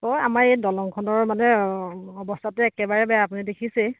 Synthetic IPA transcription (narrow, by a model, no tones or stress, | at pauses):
oamaɹejdɔlɔŋkʰɔnɔɹmanɛɔbɔstʰatɛɛkɛbaɹɛbɛjaapunidekʰisɛ